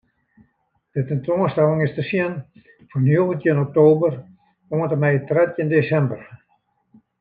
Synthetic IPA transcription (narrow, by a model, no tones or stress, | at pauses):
d̥ətəntoəstɛlˠɪŋɪstəsiən | fɔnoːɣəntjinok̚toːbər | oəntəmɛjtrɛtjəndesɛmbər